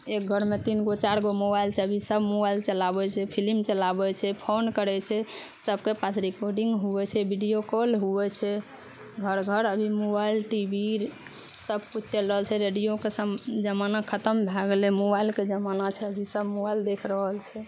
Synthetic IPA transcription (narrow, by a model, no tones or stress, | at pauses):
ek̚ɡʱəɾmet̪inɡot͡ʃaɾɡomobailt͡ʃʰɛəbʱisəbmobailt͡ʃəlabɛt͡ʃʰɛpʰilimt͡ʃəlabɛt͡ʃʰɛpʰonkəɾɛt͡ʃʰɛsəbkepasʰɾikoɾɖiŋɡɦuɛt͡ʃʰɛbʱiɖijokolɦuɛt͡ʃʰɛ | ɡʱəɾɡʱəɾəbʱimobailʈibʱiɾ | səb̚kut͡ʃʰt͡ʃɛləɦəlt͡ʃʰɛɾeɖijokesəd͡ʒəmanakʰət̪əmbʱaɡlemobailked͡ʒəmanat͡ʃʰɛəbʱisəbmobaild̪ekʰɾəɦəlt͡ʃʰɛ